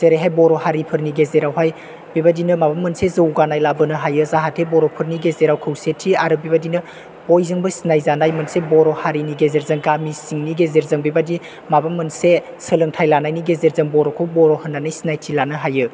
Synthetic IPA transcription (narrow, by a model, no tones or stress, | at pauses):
zeɾeɦajbɔɾɔhaɾipʰɯɾniɡezeɾawɦaj | bibadinɯmabamːənsezəwɡanajlabənɯɦajɯzaɦatʰebɔɾɔpʰɯɾniɡezeɾawkʰɯwsetʰːiaɾɯbibadinɯ | ojzɯŋbɯsinajzanajmɐnsebɔɾɔhaɾiniɡezeɾzɐŋɡamisiŋniɡezeɾzɯŋbibadi | mabamːɐnse | səlɯŋtʰajlanajniɡezeɾzəŋbɔɾɔkʰɯwbɔɾɔhənːanajsinajtʰilanɯɦajɯ